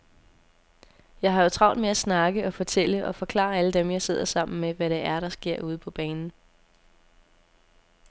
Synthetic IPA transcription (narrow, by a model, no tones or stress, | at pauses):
jɑ̈ɪɦɑ̈jo̝t͡sʰʁɑ̈ʊnd̥meæsnɑ̈ɡ̥əɒ̽fɒ̽t͡sʰel̰əʔɒ̽fɒ̽kʰlɑ̰̈ːæləd̥emjɑ̈ɪse̝ð̞̰ˠɐsɑ̈m̰n̩meʋæɾeʔæɐɾ̥ɑ̈sɡ̥e̝ɐ̰ʔuːð̞ˠəpʰɒ̽b̥ɛːnn̩